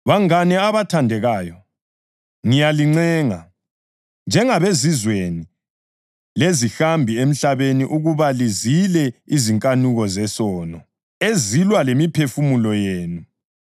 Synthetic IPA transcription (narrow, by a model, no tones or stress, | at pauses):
βaŋanɛaβatʰandʱɛɣaːjɔ | ŋijaliŋ͡ǀɛːŋa | nd͡ʒʱɛŋaβezizweni | lezixambʱiem̩ɬaβeniʔuɣuβalizilɛiziŋkʼanuɣɔzɛsɔːnɔ | ezilwalemipʰefumulɔjeːnu